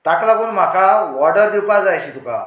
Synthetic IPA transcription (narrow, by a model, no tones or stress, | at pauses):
t̪aklaɡuːnm̤akʰaʋɔɾɖəɾd̪iwpad͡zajɕit̪uka̰